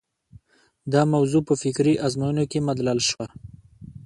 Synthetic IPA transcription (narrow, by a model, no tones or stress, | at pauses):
d̪ɑmawzupəfɪkɾiʔazmajunokemad̪lalʃwa